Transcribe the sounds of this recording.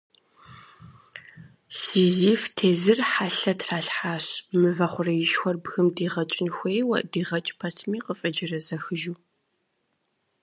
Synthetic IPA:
siːziːftʰeːzɨrħaɬɐtʰraːɬħaːɕmɨvɐχʷʊrɐjɪʃxʷɔrbxɨmdiːʁɐt͡ʃʼɪnxʷeːjwɐ̰ʔdiːʁɐt͡ʃʼpʰɐtʰmiːqəfʼɐd͡ʒɪrɐzɐxɨʒuː

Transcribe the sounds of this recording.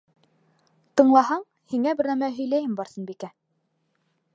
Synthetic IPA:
t̪ɤ̆ɴlˠɑhɑɴ | hiŋæbɘɾnæmæɦɵ̆jlæjɘmbɑɾsɤ̆nbikæ

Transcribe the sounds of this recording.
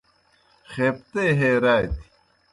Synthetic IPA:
xeːpt̪eːɦeːɾaːjt̪i̥

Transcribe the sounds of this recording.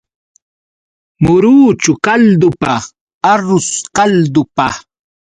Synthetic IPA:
mʊɾuːt͡ʃʊkald̪ʊpa | aɾʊskald̪ʊpa

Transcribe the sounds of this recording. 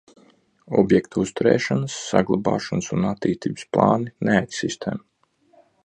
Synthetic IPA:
ɔbjɛkt̪ʰuust̪uɾɛ̰ːʃanəsːa̰ɡlˠabɑ̰ːʃɔnsunat̪ːiːst̪ḭːbsplˠɑ̰ːnineɛksist̪ʰem

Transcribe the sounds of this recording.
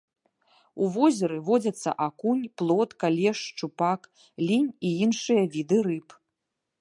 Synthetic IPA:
uvɔzʲɛɾɨvɔd͡zʲɐt̪sːɐ̰ʔakunʲplˠɔt̪kalʲɛʂt͡ʂupak | lʲinʲiinʂɨjɐvʲid̪ɨɾɨp

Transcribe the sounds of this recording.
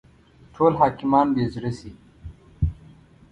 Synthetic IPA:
ʈʰoːlɦaːkimaːnbeːd͡ʑɾɐsiː

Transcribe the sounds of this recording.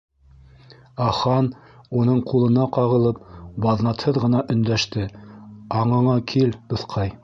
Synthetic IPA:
ɑχɑn | unɤɴqulˠɤ̆nɑqɑʁɤ̆lˠɤp̚bɑðnɑt̪hɤðʁɤ̆nɑʔɵ̆nd̪æʃt̪ɘɑɴɤ̆ɴɑkʰilt̪ŏθqʰɑj

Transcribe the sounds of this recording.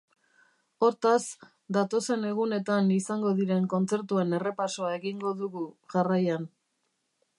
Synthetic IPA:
o̞ɾt̪as | d̪at̪o̞se̞ne̞ɣ̞une̞t̪anisaŋɡo̞ðiɾe̞ŋko̞nt͡se̞ɾt̪ue̞ne̞re̞paso̞ae̞ɣiŋɡo̞ðuɣuʝarajan

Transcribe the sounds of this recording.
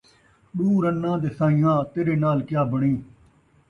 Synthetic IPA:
ɗuːɾənːãːd̪eːsãːĩːjãːt̪eːɾeːnaːlkɪjaːbəɳiː

